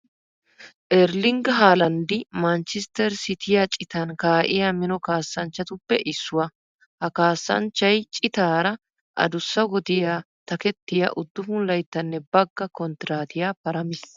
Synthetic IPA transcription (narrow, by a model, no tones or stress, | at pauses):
ʔɛɾlɪŋɡɦaːlɐnd̪ɪmɐnt͡ʃɪst̪ɛɾsɪt̪ɪjat͡ʃʼɪt̪ɐnkaːʔɪjamɪnɔkaːsːɐnt͡ʃːɐt̪ʊpːɛʔɪsːʊwɐ | hɐkaːsːɐ̰nt͡ʃːɐjt͡ʃʼɪt̪aːɾɐ | ʔɐ̰d̪ʊsːɐɡɔd̪ɪjaː | t̪ɐkɛt̪ːɪjɐ̰ʔʊd̪ːʊfʊnlɐjt̪ːɐnːɛbɐɡːɐkɔnt̪ɪɾaːt̪ɪjaːpɐɾɐmɪs